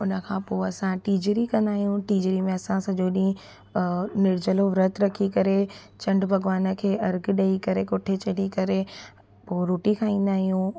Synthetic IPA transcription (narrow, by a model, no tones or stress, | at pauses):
ʊnə̆kʰãːpoːɐsãʈiːd͡ʑɾikɐ̃nd̪aːɦijũʈiːd͡ʑɾimẽɐsãsɐʄoɗĩĩ | nɪɽd͡ʑəloʋɾət̪ɾɐkʰikɐɾe | t͡ɕɐ̃ɳɖbʱɐɡʋaːnə̆kʰeːɐɾɡɗeikɐɾekʊʈʰet͡ɕɐɽikɐɾe | poːɾoːʈikʰaːĩːn̆d̪aːɦijũ